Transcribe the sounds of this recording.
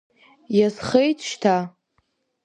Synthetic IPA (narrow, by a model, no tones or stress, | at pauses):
jasχejtʰʼʃtʰa